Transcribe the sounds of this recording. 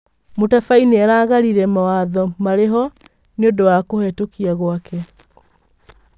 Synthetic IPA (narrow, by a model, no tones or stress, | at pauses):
motafaineɛɾaːɣaɾiɾɛmawaðɔmaɾeɦɔ | neodowakohɛtokiaɣwakɛ